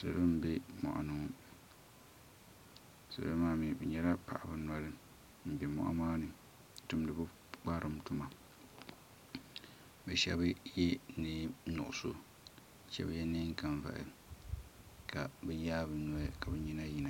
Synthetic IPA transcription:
sa̰˨lo˦m̩˦bɛ˦mɔ̰˨ʔa̰˨nɨ˨ŋ˦ | sa̰˨lo˦maː˦mi˨bɛ˨ɲɛ˦la˦pa̰˨ʔa˨bɨ˨nwa˦lɨ˦ | m̩˨bɛ˨mɔ̰˦ʔa̰˦maː˦nɨ˨ | tʊ˦m˦dɨ˨bɨ˦ | k͡pa˦ɾʔɨ˦m˦tʊ˦ma˨ | bɛ˨ʃɛ̰˦bjɛ˦nɨ˦nʊ̰˨ʔʊ˨so˦˨ | ʃɛ̰˦bjɛ˦nɨ˦ŋ̩˦ka˨ɱva̰˨ʔɨ̰˨ | ka˨bɛ˦jaː˦bɨ˨nɔ˨˦˨ka˨bɨ˨ɲi˦na˦ji˨na˨

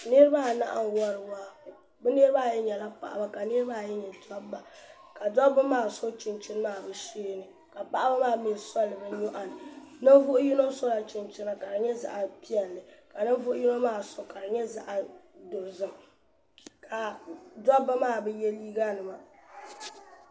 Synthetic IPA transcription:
nɨ˦ɾɨ˦ba˦˨na̰˦ʔa̰˨n˨wɔ˦ɾɨ˨waː˦ | bɨ˦ne˦ɾɨ˦ba˦˨jɛ˦ɲɛ˨la˦pa̰˨ʔa̰˨ba˦ka˨nɨ˦ɾɨ˦ba˦˨jɛ˦ɲɛ˨tɔ˦bba˨ | ka˨dɔ˦bɨ˦maː˦˨so˦t͡ʃɪ˨nt͡ʃɪ˦n˦maː˦˨bɨ˦seː˦nɨ˨ | ka˨pa˦ʔa˦ba˦maː˦˨˦mi˨sɔ˦lːɨ˨bɨ˦ɲo˦ʔa˦nɨ˨nɨ˦n˦vʊ˦ʔʊ˦ji˦no˦so˦la˨t͡ʃɪ˨nt͡ʃɪ˦na˦ka˨ɾɨ˨ɲɛ˦za̰˨ʔa˨pi˦ɛ˨lːɨ˨ka˨nɨ˦n˦vʊ˦ʔʊ˦ji˦no˦maː˦˨so˨ka˨ɾɨ˨ɲɛ˦za˨ʔa˨do˨zɨ˦m | kʰa˨dɔ˦ba˦maː˦˨bɨ˦jɛ˦liː˦ɡa˦nɨ˨ma˨

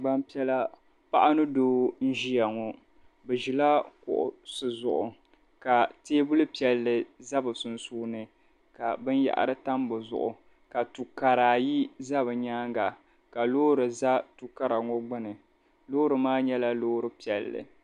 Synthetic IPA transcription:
ɡ͡ba˦m˦pi˦ɛ˦la˦ | pa˦ʔa˦nɨ˦doː˦n̩˦ʒi˦ja˨ŋɔ˦ | bɨ˨ʒi˨la˦kʊ̰˨ʔʊ̰˨sɨ˨zʊ˨ʔʊ˨ | ka˨teː˦bu˦lɨ˦pi˨ɛ˨lːɨ˨za˦bɨ˨sʊ˨nsuː˦nɨ˨ | ka˨bɨ˦n˦ja̰˨ʔa̰˨ɾɨ˦ta˦m˦bɨ˨zʊ̰˨ʔʊ̰˨ | ka˨tu˨ka˨ɾaː˨ji˦za˦bɨ˨ɲaː˦ŋɡa˨ | ka˨loː˦ɾɨ˨za˦tu˨ka˦ɾa˨ŋo˦ɡ͡bɨ˦nɨ˨ | lo˦ɾɨ˨maː˦ɲɛ˦la˦loː˦ɾɨ˦pi˨ɛ˨lːɨ̰˨

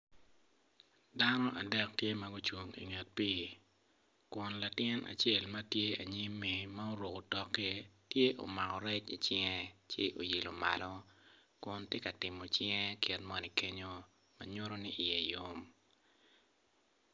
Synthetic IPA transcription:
da˦nɔ˦ʔa˨dɛ˦k̚tje˦ma˦ɡu˦t͡ʃwu˨ŋḭ˨ŋɛ˨t̚pi˦ | kʊ˨nla˨tɪ˦na̰˨t͡ʃe˦lmɐ˦tje˦a˨ɲi˦mːi˨ma˦o˦ɾo˨ko˨tɔ˦kːe˦tje˦ʔo̰˨ma˨kɔ˨ɾɛ˦t͡ʃḭ˨t͡ʃɛ˦ŋɛ˦t͡ʃɪ̰˦ʔo̰˨jɪ˨lo˨ma̰˨lɔ˦kʊ˨ntje˦ka˨tɪ˨mo˨t͡ʃɛ˦ŋɛ˦kɪ˨tmɔ˨ni˨ke˦ɲo˦ | ma˨ɲo˦ɾo˦ni˦ʔi˨je˨jo˦m

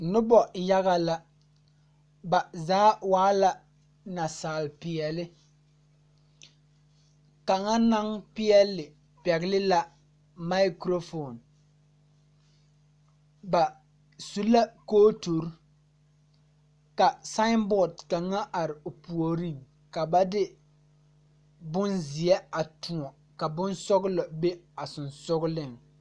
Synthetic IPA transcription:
nʊ˦bɔ˨ja˦ɣa˦la˦ | ba˨zaː˨˦waː˨˦la˦ | na˨saː˨lpɪ˨ɛ˨lɪ˦ | ka˨ŋa˦na˦ŋpɪ˦ɛ˦lːɪ˨ | pɛ˨ɣlɪ˦la˦ | ma˦ɪ˦kɾo˦fo˨n | ba˨ | su˦la˦koː˦to˨ɾ | ka˨sa˦mbɔ˦˨dka˨ŋːa˦ʔa˨ɾɪ˨o˨pu˨o˨ɾi˦˨ŋ | ka˨ba˦dɪ˦ | bʊ˦nzɪ˨ɛ˦a˨tʊ̃˨ɔ˨ | ka˨bʊ˦nsɔ˦ɣlɔ˨be˦a˨sʊ˨nsʊ˦ɣlɪ˦˨ŋ

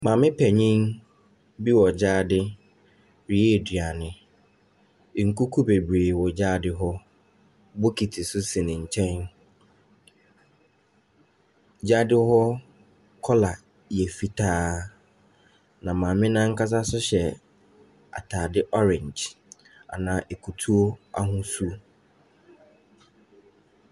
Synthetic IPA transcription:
mãː˨mɪ̃˦pʰɛ˨ɲĩ˦n | bi˦wɔ˨d͡ʑaː˦dɪ˦ | ɾi˨e˦˨dɥa˨nɪ̃˨ | ŋ̩˨ku˦kʰu˦be˨bɾeː˨wɔ˨d͡ʑaː˦dɪ˦ɦɔ˦ | bʊ˦kʰi˨tʰi˨sʊ˦sĩ˨nɪ̃˨ɲ̩˨t͡ɕʰɛ̃˦n | d͡ʑaː˦dɪ˦hɔ˦ | kʰɔ˦la˨ | jɛ˨fi˨tʰaː˦ | nã˨mãː˨mɪ̃˦nã˦ŋ̩˦ka˦s̬a˦sʊ˦ɕɛ˨ | a̰˨tʰaː˨dɪ˦ʔɔ˦ɾɪ̃˨ɲd͡ʒ | a̰˨nãː˨ʔe˨kʰu˨tʰu˦o˦a̰˦ɦʊ̃˦su˦

